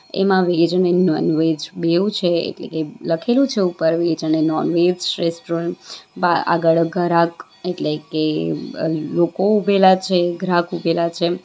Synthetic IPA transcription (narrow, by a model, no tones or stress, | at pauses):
ḛmãʋed͡ʒənenɔnʋed͡ʒbeũt͡ʃʰeḛʈlḛkeləkʰelũt͡ʃʰeupəɾʋed͡ʒənenɔnʋed͡ʒɾesʈɾɔba̰a̰ɡəɭɡʱəɾak | eʈleke | lokoubʱelat͡ʃʰeɡʱɾãkubʱelat͡ʃʰe